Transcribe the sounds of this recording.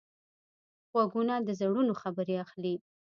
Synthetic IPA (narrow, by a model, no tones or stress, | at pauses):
ɣwaɡunad̪əzaɽunoxabəɾeaxli